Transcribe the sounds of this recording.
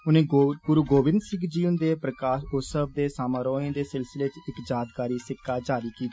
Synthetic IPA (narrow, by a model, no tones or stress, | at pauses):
ʊnẽːpuɾuːɡoːbɪ̃nd̪sɪ̃ŋɡd͡ʒiːʊnd̪eːpɾəkaːʃoːsəb̚d̪eːsaːmãːɾoːẽːd̪eːsɪlsɪleːt͡ʃɪkd͡ʒaːd̪kaːɾiːsɪkːaːd͡ʒaːɾiːkiːt̪i